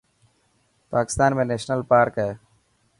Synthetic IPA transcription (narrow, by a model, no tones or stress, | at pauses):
paːkɪ̥st̪aːnmẽneːʃnəlpaːɾkɛ